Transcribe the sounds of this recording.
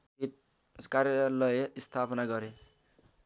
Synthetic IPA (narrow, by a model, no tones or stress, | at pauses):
it̪ | kaɾjʌɾalʌjʌist̪ʰapʌnaɡʌɾe